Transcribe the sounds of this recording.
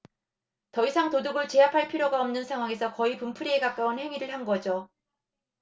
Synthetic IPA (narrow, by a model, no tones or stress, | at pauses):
tʌisʰaŋtoduɡɯɭt͡ɕe̞apʰaɭpʰiɾjoɡaʌmnɯnsʰeŋɦwaŋe̞sʰʌkʌipumpʰɯɾie̞kak͈aunhe̞ŋiɾɯɭhanɡʌd͡ʑo